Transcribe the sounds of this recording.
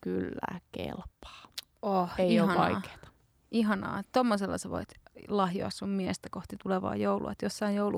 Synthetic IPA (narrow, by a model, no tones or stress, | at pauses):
kylːæ̰ːkḛlpːɑ̥ː | oheeiioɑʋɑike̥ːt̪ɑ̥ | iɦɑnɑ̰ːt̪omːoselːɑ̰seʋo̰it̪lɑhjo̰ɑssummiest̪ækoht̪it̪uleʋɑ̰ːjoulʔṵɑ̰t̪josːɑijjoulu